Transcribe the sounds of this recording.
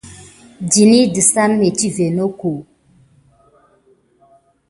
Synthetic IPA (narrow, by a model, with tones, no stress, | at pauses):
d͡ʒi˨ni˦di˨sa˦nme˨t͡ʃi˦ve˨no˦ko˨